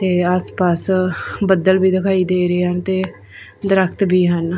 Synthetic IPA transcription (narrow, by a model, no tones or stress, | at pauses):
t̪eːaːspaːsbəd̪əlbiːd̪ɪkʰaːiːd̪eːɾeːɦənt̪eː | d̪ɾəkʰt̪bʱiːɦən